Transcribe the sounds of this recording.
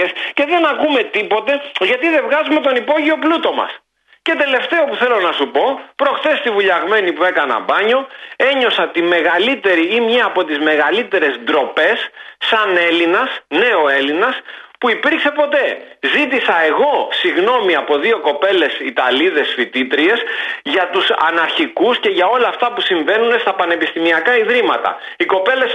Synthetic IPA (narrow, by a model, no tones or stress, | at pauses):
esce̞ðe̞nɐkume̞t̪ipo̞t̪e̞ʝɐt̪iðe̞vɣɐzume̞t̪o̞nipo̞ʝio̞plut̪o̞mɐ̰s | ce̞t̪e̞le̞ft̪e̞o̞puθe̞lo̞nɐsupo̞pɾo̞xθe̞st̪ivuʎɐɣme̞nipue̞kɐnɐ̰bɐɲo̞e̞ɲo̞sɐt̪ime̞ɣɐlit̪e̞ɾiimɲɐːpo̞t̪izme̞ɣɐlit̪e̞ɾe̞zd̪ɾo̞pe̞sːɐne̞linɐsne̞o̞e̞linɐspuipiɾkse̞po̞t̪e̞zit̪̬isɐe̞ɣo̞siɣno̞miɐpo̞ðio̞ko̞pe̞le̞sit̪ɐliðe̞sfit̪it̪ɾie̞sʝɐt̪usɐ̰nɐɾçikusce̞ʝɐo̞lɐːft̪ɐpusiɱve̞nune̞st̪ɐpɐne̞pist̪imiɐkɐiðɾimɐt̪ɐ̰ | iko̞pe̞le̞s